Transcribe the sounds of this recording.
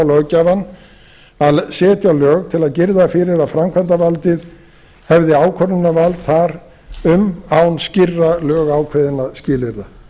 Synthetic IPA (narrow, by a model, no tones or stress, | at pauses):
wlœcavanː | aðsɛːt̪jawlœːɣt̪ʰɪlaðcɪɾðafɪɾɪɾaðfɾamkʰvant̪avalt̪ɪð | hɛvðɪaːwkʰœɾnʏnavalt̪θaɾ | ʏmawnscɪrːalœːɣaːwkʰvɛðɪnascɪːlɪɾða